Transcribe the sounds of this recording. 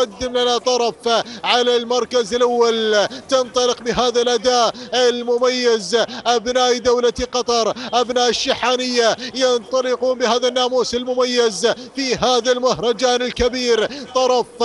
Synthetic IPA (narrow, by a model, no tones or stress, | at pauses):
ad̪ːɪmlanat̪ˤɑɾˤɑfʕalalmɑɾˤkazɪlʔawːalt̪ɪnt̪ˤɑlɪqbɪɦaːðalʔad̪aːʔɪlmʊmajːɪzʔabnaːʔd̪awlaqɑt̪ˤɑɾˤʔabnaːʔɪʃːɪħaːnɪjːajɑnt̪ˤɑlɪquːnbɪhaːðanːaːmuːsɪlmʊmajːɪzfiɦaːðalmahɾˤɑd͡ʒaːnɪlkabiːɾt̪ˤɑɾˤɑf